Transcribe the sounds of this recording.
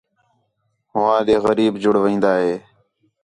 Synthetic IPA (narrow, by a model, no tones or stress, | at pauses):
ɦʊʋãːd̪eːɣəɾiːbd͡ʒʊɽʋĩːnd̪aːɦeː